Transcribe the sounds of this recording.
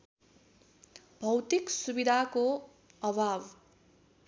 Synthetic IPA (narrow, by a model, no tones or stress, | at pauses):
bʱʌwt̪iksubid̪ʱako | ʌbʱab